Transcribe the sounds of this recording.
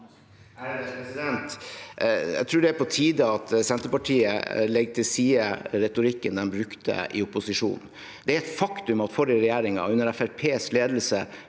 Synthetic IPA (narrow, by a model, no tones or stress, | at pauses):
sɪd̪ɛnt̪ | jæ̰ɡt̪ʰɾʉːɖɛæpɔt̪ʰiːd̪əɑt̪sɛnt̪əpɑʈʰiːə̰lɛɡːt̪ʰɪlsiːəɾɛt̪ʊɾɪkːənd̪ɛnbɾʉkt̪ə̰ʔɪ̰ʊpːʊsɪʂṵːn̩ | d̪̥ɛæɾɛt̪fɑkt̪ʉmɑt̪fɔɾɪɾɛjeːɾɪŋɑ̰ʉnːəɾɛfæɾpʰeːsleːd̪əlsə